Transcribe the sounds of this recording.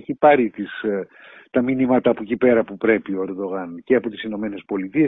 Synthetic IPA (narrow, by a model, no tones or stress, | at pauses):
eçipɐɾit̪is | t̪ɐminimɐt̪ɐːpocipe̞ɾɐpupɾe̞pio̞e̞ɾd̪o̞ɣɐnceɐpo̞t̪isino̞me̞ne̞spo̞lit̪ies